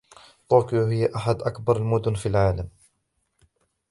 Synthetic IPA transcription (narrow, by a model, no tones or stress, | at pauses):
t̪ˤoːkjohɪjːaʔaħad̪ʔakbɑɾˤalmʊd̪ʊnfiːlʕaːlam